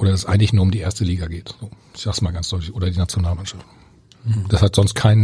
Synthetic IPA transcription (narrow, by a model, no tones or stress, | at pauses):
ʔoːdɐdasɛsʔa̰ɪɡŋ̩tlɪçnuːɐʊmdiːʔeːɐstəliːɡaɡeːtz̥oː | ɪçz̥aːɡsmaːlɡansd̥ɔʏtlɪçʔoːdɐdiːnat͡sjonaːlmanʃaft | d̥ashatz̥ɔnst̚kʰaɪn